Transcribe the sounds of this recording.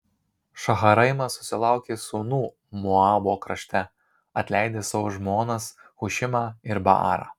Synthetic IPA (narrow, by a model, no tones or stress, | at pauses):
ʃɐɣɐɾɐɪmɐsʊ̥sʲɪlˠɑˑʊkʲeːsʊnuː | mɔɑːboːkɾɐʃʲt̪ʲɛ | ɐt̪ʲlʲæɪd̪ʲeːsɐʋoːʒmoːnɐsxʊʃʲɪmɑːɪɾbɐ̰ɑ̰ːɾɑ̰ː